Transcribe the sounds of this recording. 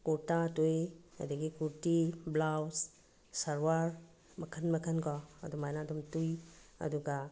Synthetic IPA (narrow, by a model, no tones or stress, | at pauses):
kotatujɐ̰diɡikuɾtiblaws | saɾwaɾ | mɐkʰɐnmɐkʰɐnkɔɐ̰dumajnadumtujɐ̰duɡa